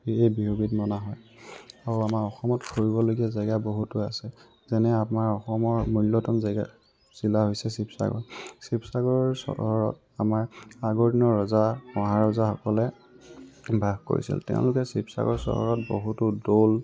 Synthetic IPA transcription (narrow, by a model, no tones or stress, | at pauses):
ejbiɦubitmɔnaɦɔj | aɹuamaɹɔxɔmɔtkʰoɹibɔloɡiazaɡaboɦutʊasɛ | zɛnɛapnaɹɔxɔmɔɹmulːɔtɔnzaɡa | z̥ilaɦojsɛsipsa̰ɡɔ̰ɹsipsaɡɔɹsɔ̰ɔɹɔt̚ | amaɹaɡoɹdinɔɹɔzaɔ̃ɦaɹɔzaxɔkɔlɛ | bʱabko̰ɹḭsḭltɛ̰̃ʊ̃lʊkɛsipsa̰ɡɔ̰ɹsɔ̰ɦɔ̰ɹɔt̚bo̰ɦutʊdol